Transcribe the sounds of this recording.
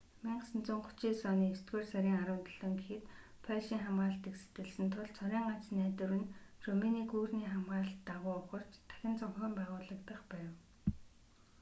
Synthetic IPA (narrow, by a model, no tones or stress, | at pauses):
miɴɢsɘ̆nt͡sʊ̆ːɴχʊ̥t͡ɕiːsɔniːest̪ɡeːrsaɾʲiːŋaɾə̆wt̪ə̆ɮə̆ŋɡexɘ̆t̪ | pʰæʃiːŋχamɢaːɬt̪ekse̥t̪ɘ̆ɮsɘ̆nt̪ʰʊɮt͡sʰœɾʲiːŋɢat͡snæːt̪ɘ̆rɘ̆nrɵminiːɡuːrniːχamʁaːɬt̪ːaʁʊːʊχə̆r̥t͡ɕt̪ʰæ̥xʲɪ̆nt͡sɔŋxə̆mpæːʁʊːɮə̆kt̪ə̆χpæːw